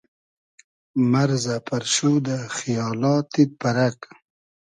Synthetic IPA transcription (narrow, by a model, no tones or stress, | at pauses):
maɾzapʰaɾʃud̪axijɑːlɑːt̪id̪̚paɾak